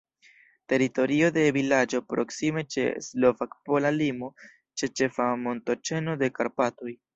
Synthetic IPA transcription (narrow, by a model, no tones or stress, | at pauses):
te̞ɾito̞ɾio̞de̞vilad͡ʒo̞pɾo̞ksime̞t͡ʃe̞̰slo̞vakpo̞lalimo̞ | t͡ʃe̞t͡ʃe̞famo̞nto̞t͡ʃe̞no̞de̞kaɾpatoj